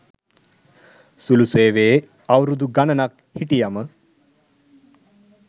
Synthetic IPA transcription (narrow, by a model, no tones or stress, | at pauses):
suluseːʋeː | awɾud̪uɡɐnɐnak̚ | hiʈijamə